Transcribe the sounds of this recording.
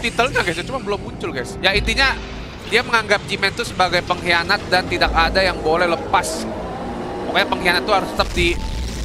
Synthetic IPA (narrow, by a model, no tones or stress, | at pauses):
t̪it̪əlɲaɡas̬ɲat͡ʃumanbəlʊmːuɲt͡ʃʊlɡaɪsjait̪iɲa | diaməŋaŋɡap̚d͡ʒimɛnt̪usəbaɡajpəŋɦianat̪̚dant̪idakadajaŋbolɛhləpas | mokaɲapəŋɦianat̪ːuɦaɾʊst̪əp̚d̪i